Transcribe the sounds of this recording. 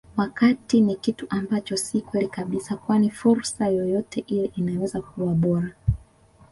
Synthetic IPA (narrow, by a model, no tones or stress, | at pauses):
wakatinikituʔambat͡ʃɔsikwɛlikaɓisakwanifuɾsajɔjɔtʰɛʔiliʔinawɛzakuwaɓɔɾa